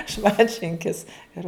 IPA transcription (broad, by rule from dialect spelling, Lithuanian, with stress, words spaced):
ˈʃmɐnʲtʲʃʲɪŋʲkʲɪs ˈɪr